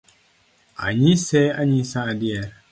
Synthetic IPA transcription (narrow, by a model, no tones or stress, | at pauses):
a̰ɲisɛaɲisãdiɛɾ